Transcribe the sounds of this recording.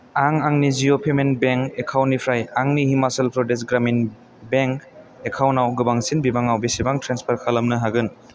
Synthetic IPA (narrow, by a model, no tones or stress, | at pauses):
aŋaŋnizijopʰemenbeŋkekʰawnːipʰɾajaŋnihimaselpʰɾɔdes̬ɡɾamin | beŋk | ekʰawnawɡɯbaŋsinbibaŋawbisibaŋtʰɾenspʰɐɾkʰalɐmnɯɦaɡɯn